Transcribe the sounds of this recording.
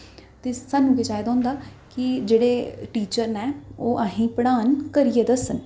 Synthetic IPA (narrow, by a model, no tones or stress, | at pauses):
t̪eːsaːnũːket͡ʃaːjd̪ãːnd̪aː | kɪd͡ʒeːɽeːʈiːt͡ʃəɾnɛːoːʔaːɦĩːpəɽ̃aːnkəɾieːd̪əsən